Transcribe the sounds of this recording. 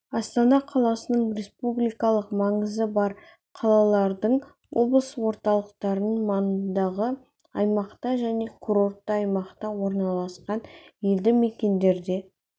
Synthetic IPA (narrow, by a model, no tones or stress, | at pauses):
ɑst̪ɑnɑqʰɑlˠɑsənəɴɾʲe̞spublijkɑlˠəqmɑɴəzəbɑɾ | qʰɑlˠɑlˠɑɾd̪əɴ | wʔo̞blˠəswo̞ɾt̪ɑlˠəqt̪ɑɾənəmɑnənd̪ɑʁə | ɑjmɑqt̪ɑʒæne̞kʰuɾo̞ɾt̪ːəɑjmɑqt̪ɑwo̞ɾnɑlˠɑsqɑnjeld̪ɪmekʲe̞nd̪e̞ɾd̪e̞